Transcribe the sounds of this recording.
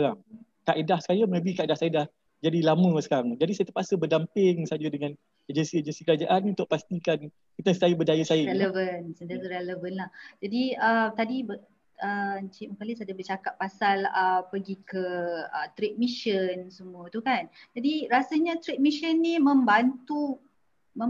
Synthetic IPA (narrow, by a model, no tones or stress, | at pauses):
aɾaŋ | kaʔidahsə̥kajamə̃bikaʔidahsajədah | d͡ʒadilamə̃sə̥kaɾaŋd͡ʒadisajat̪ərpasəbədampɪŋsad͡ʒədəŋan | ed͡ʒənsied͡ʒənsikəɾad͡ʒaʔanunt̪ʊʔ̚past̪ikan | kiəst̪ajəbədajəsajəɛləvənsənt̪atəɾɛləvənlahd͡ʒadiət̪adibə | ət͡ʃiʔməkalisadabət͡ʃakaʔpːasaləpəɡikəət̪ɾet̪̚miʃənsəmũət̪ukand͡ʒadiɾasaɲat̪ɾet̪̚miʃənːimə̃mbant̪u | mə